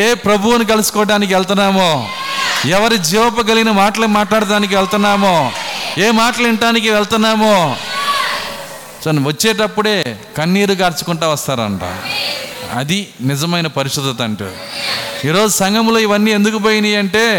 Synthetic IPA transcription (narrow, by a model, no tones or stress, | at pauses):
eːpɾɐbʱuwunik̬ɐlusu̥kɔːɖaːnik̬iʋɛɭt̪unːaːmoː | ɛʋɐɾid͡ʒiːʋɐpɐɡɐliɡinɐmaːʈɐlɐmaːʈlaːɽɐt̪aːnik̬iʋɛɭt̪unːaːmoːeːmaːʈɐliɳʈaːnik̬iʋɛɭt̪unːaːmoː | nʋɐt͡ʃːeːʈɐpːuɽe̞ː | kɐnːiːɾuɡaːɾt͡ʃu̥kuɳʈaːʋɐst̪aːɾɐ̰ɳʈa̰ː | ɐ̰d̪inɪd͡ʒɐmɐjnɐpɐɾiʂud̪ɐt̪ɐɳʈṵ | iːɾo̞ːd͡ʒusɐŋɡɐmlo̞ːiʋɐnːiːe̞nd̪ukupoːjiniɐɳʈe̞ː